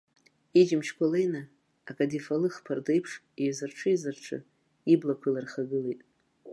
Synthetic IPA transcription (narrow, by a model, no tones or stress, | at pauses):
id͡ʒɪmʃkʷʰʼolejnaː | kʼadifalɨχpʰardejpʰʂ | izɨrʈ͡ʂʰɨizɨrʈ͡ʂʰɨ̰ | iblakʷʰɨlarχaɡɨlejtʼ